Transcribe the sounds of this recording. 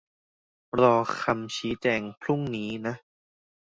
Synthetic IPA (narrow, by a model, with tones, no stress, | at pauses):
ɾɔː˧˩kʰa˧mt͡ɕʰiː˦˥t͡ɕɛː˧ŋpʰɾu˥˩ŋniː˦˥na˦˥ʔ